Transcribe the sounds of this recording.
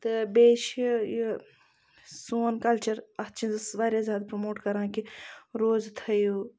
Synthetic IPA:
t̪ɨbeːʃji | soːnkɐlt͡ʃɐɾɐst͡ʃĩzɨsʋaːɾʲjazʲjaːd̪pɾomoːʈkɐɾãːkiɾoːzt̪ʰɐjuː

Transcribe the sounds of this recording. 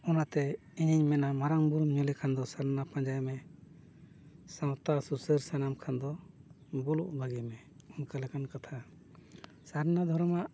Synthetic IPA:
ɔnat̪ɛ | iɲiɲmɛnamaɾaŋbuɾumɲɔlɛkʰand̪ɔsaɾnapãɲd͡ʒajmɛ | sãwt̪asusəɾsanamkʰand̪ɔ | bɔluʔbaɡɛmɛ | unkalɛkankat̪ʰa | saɾnad̪ʱɔɾɔmaʔ

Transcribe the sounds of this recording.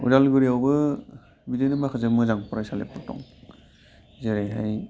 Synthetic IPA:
ṵdalɡɯɾiawbɯ | bidejnɯmakʰazamɯzaŋpɔɾajsalḛpɯtɔ̰ŋ | zeɾajɦaj

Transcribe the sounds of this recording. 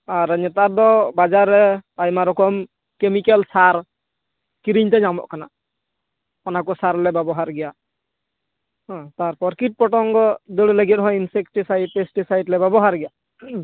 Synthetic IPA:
aɾɲɛt̪aɾd̪ɔbad͡ʒaɾɛajmaɾɔkɔm | kemikɛlsaɾ | kiɾiɲt̪ɛɲamɔ̰ʔkana̰ | ɔnakɔsaɾlɛbɛbɔɦaɾɡɛja | ɦt̪aɾpɔɾkiʈ̚pɔʈɔŋɡɔd̪ɔlɛləɡit̪̚ɦɔjinsekʈisajd̚pesʈisajɖlɛbɛbɔɦaɾɡɛja

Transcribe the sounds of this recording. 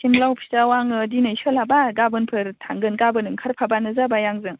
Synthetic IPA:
simlawpʰi̥tawaŋɯdinɯsɯlabaɡabɯnpʰɯɾtʰaŋɡɯnɡabɯnɯŋkʰaɾpʰabanɯzabajaŋzɯŋ

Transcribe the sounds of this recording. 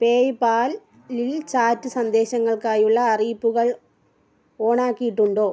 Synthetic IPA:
peːjpaːl | lilt͡ɕaːtːɨsɐnd̪e̞ːɕɐŋːɐɭkaːjuɭːɐːriːpːuɣɐɭ | o̞ːɳaːkːijiʈːuɳɖoː

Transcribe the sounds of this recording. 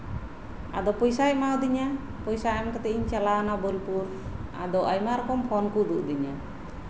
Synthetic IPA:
a̰d̪ɔpɔjsaɛmawd̪iɲa | pɔjsaɛmkat̪ɛiɲt͡ʃalanabɔlpuɾa̰d̪ɔʔajmaɾɔkɔmpʰɔnkuʔd̪uʔd̪iɲa

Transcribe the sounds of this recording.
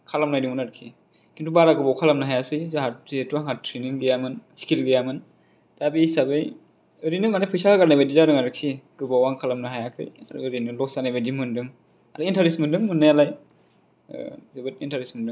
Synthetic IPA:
kʰalamnajdiŋmɯnaɾkʰi | kʰintubaɾaɡɯbawkʰalamnɯɦajasɯjzaɦaetuaŋɦatʰɾeniŋlijamɯnskilɡijamɯn | d̥abisabɯj | ɯɾinɯmanajpʰɯjsakʰaɡaɾnajbadizaɾɯŋaɾɯkʰːiɡ̥ɯbawaŋkʰalamnɯɦajakʰɯ̰ja̰ɾɯ̰ɯɾinɯlɔk̚sanajbadimɯndɯŋ | aɾɯintʰaɾismɯndɯŋmɯnːajalaj̰ | zebɯtintʰaɾismɯndɯŋ

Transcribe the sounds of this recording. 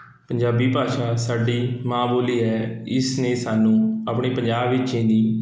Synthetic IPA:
pəɲd͡ʒaːbiːpaːʃãːsaːɖiːmaːmuːliːɦɛːɪsnẽːsaːnũːapɳeːpəɲd͡ʒaːbʋɪt͡ʃẽːd̪iː

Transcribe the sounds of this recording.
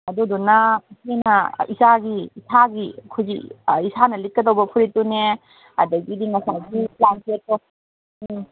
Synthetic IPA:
ɐdudunɐsʰinɐisaɡiːsʰaɡikʰuziisanɐlit̚kːɐdɐwbɐpʰuɾitune | ɐ̰dɐɡidiŋasajɡiplankʰetːɔ

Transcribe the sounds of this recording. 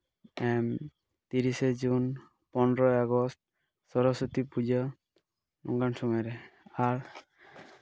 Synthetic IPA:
ɛm | t̪iɾised͡ʒun | pɔnɾɔjaɡɔst̚ | sɔɾɔsɔt̪ipud͡ʒɔ | nɔ̰ŋɡansɔmɔjɾɛaɹ

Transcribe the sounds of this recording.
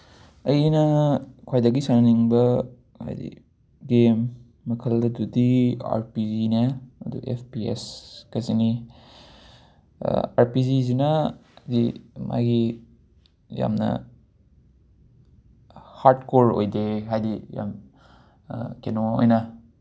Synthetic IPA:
ɐjnɐkʰwajdɐɡisaɾniŋbɐ | ha̰jdḭ | ɡemː | ɐkʰɐldɐdudia̰ɾpizinaɐ̰dṵʔḛpʰpiḛskɐsini | a̰ɾpizizinɐdima̰ɡi | ja̰mnɐ̰ | haɾdkoɾojdeɦajdija̰m | kenoo̰jnɐ

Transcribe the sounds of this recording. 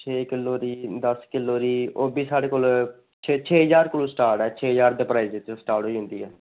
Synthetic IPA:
t͡ʃʰeːkɪlːoːɾiːd̪əskɪloːɾiːoːbiːsaːɽeːkoːl | t͡ʃʰet͡ʃʰeːɦəzaːɾkʊloːsʈaːɾʈɛːt͡ʃʰeːɦəzaːɾd̪eːpɾaːiːzet͡ʃsʈaːɾʈɦoːiːɦʊ̃nd̪iːɛː

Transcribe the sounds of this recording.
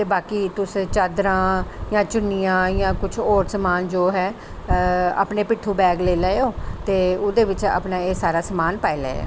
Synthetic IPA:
t̪eːbaːkiːt̪ʊst͡ʃad̪ɾãːjãːt͡ʃʊnijãːjãːkʊt͡ʃʰoːɾsəmaːnd͡ʒoːɦɛː | a̰ːpneːpɪʈʰːuːbɛːɡleːlɛːoːt̪eːʊd̪eːʋɪt͡ʃa̰ːpnaːeːsaːɾaːsəmaːnpaːelɛ̰ː

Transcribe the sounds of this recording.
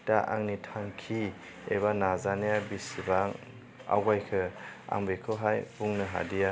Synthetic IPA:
d̥aʔa̰ŋnitʰaŋkʰi | ḛβanazanejabisibaŋ | a̰wɡajkʰɯa̰ŋbekʰɯɦajbuŋnɯɦa̰dija

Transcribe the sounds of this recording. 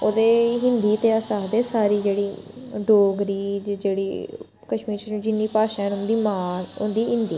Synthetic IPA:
oːd̪eːɦɪ̃nd̪iːt̪eːəsaːd̪eːsaːɾiːd͡ʒeːɽiːɖoːɡɾiːd͡ʒeːɽḭː | kəʃmiːɾt͡ʃːd͡ʒɪnːiːpaːʃãɛnʊnd̪iːmaːʊ̰nd̪iːɪ̃nd̪iː

